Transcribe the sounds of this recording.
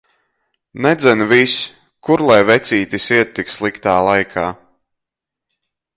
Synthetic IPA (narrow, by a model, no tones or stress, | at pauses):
nɛd̪zʲɛnvis | kuɾlˠajvɛt̪siːt̪isiɛt̪ːikslˠikt̪aːlˠajkʰaː